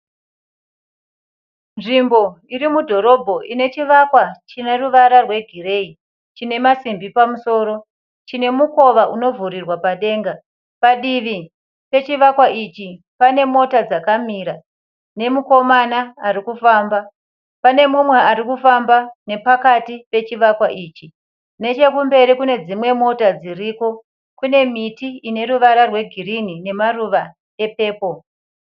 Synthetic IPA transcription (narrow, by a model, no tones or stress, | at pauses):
nʐimbo̞iɾimudʱo̞ɾo̞bʱo̞ʔine̞t͡ʃiʋakwat͡ʃineruʋaɾarwe̞ɡʱire̞ːi | t͡ʃine̞masimbipamuso̞ːɾo̞ | t͡ʃine̞muko̞ʋaʔuno̞vʱuɾirwapaɗe̞ːŋɡa | paɗiʋi | pe̞t͡ʃiʋakwait͡ʃi | pane̞mo̞tad͡zakamiɾa | ne̞muko̞manaːɾikufaːmba | pane̞mumwe̞aɾikufambane̞pakatipe̞t͡ʃiʋakwaʔiːt͡ʃi | ne̞t͡ʃe̞kumbe̞ɾikune̞d͡zimwe̞mo̞tad͡ziriko̞ | kune̞mitiine̞ɾuʋaɾarwe̞ɡʱirinine̞maruʋa | e̞pe̞ːpo̞